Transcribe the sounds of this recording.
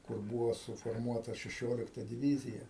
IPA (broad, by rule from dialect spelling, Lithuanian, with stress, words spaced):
kʊr ˈbuːʋoː sʊfoːrˈmuɔtɐ ʃʲɛˈʃʲoːlʲɪktɐ dʲɪˈʋʲiːzʲɪjɛ